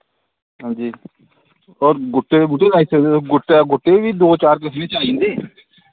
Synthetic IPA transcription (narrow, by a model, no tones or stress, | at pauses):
ɦãːd͡ʒiː | ɔːɾɡʊʈːebuʈeːnaːiseɡʊʈːeɡʊʈːeːʋiːd̪oːt͡ʃaːɾk̬əsnẽːt͡ʃaːĩːnd̪eː